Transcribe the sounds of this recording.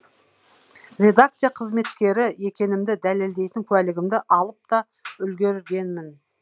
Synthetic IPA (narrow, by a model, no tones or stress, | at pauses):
ɾʲe̞d̪ak̚t̪sɨjaqʰəzme̞t̪kʲe̞ɾɪje̞kʲe̞nɪmd̪ɪd̪æle̞ld̪e̞jt̪ɪŋkʲʰʉælɪɡʲɪmd̪ɪʔɑlˠəp̚t̪ɑ | ʏlɡʲe̞ɾɪɾɡʲe̞nmɪn